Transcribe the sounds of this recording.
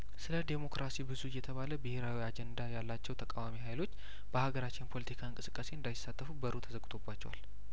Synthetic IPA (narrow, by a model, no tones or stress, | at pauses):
sɨləd̪e̞mo̞kɾʔasibɨzujːɛt̪ʰəβaləbɨhe̞ɾawiad͡ʒɛnd̪ajalːat͡ʃːɛwt̪ʰəkʼawamiɦajlo̞t͡ʃː | b̥əhaɡəɾat͡ʃːɪnpʰo̞lət̪ikʰaɨŋkʼɨsɨ̥kʼːase̞ɨnd̪ajɪsːat̪ːəfubəɾut̪ʰəzəɡt̪ʰo̞bːat͡ʃːɛwa̰l